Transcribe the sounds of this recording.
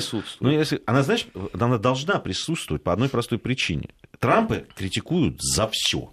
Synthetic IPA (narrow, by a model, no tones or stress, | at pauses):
sut̪st̪vʊnujesʲlʲɪɐnazat͡ʃɪanad̪ɐlˠʐnapɾʲɪsut̪st̪vʊvət̚ʲpəɐd̪no̞jpɾɐst̪o̞jpɾʲɪt͡ɕḭnʲɪ̰t̪ɾampɨkɾʲɪtʲɪkujʊt̪zɐfsʲo̰